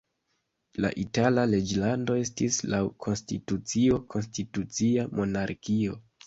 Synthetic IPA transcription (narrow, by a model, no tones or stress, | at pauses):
la̰ʔitalale̞d͡ʒlando̞e̞stislawkʰo̞nstitut͡sio̞kʰo̞nstitut͡siamo̞naɾkio̞